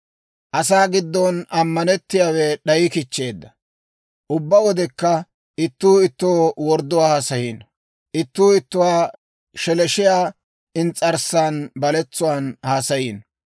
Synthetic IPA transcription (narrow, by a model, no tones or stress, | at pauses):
ʔɐsaːɡɪd̪ːɔnɐmːɐnɛt̪ːɪjaːwɛɗɐjɪkɪt͡ʃːe̞ːd̪ːɐ | ʔʊbːɐwɔd̪ɛkːɐ | ɪt̪ːuːɪt̪ːoːwɔɾd̪ːʊwaːhaːsɐjiːn | ʔɪt̪ːuːɪt̪ːʊwaː | ʃɛlɛʃɪjaː | ɪnt͡sʼɐɾsaːnbɐlɛt͡sːʊwaːnhaːsɐjiːn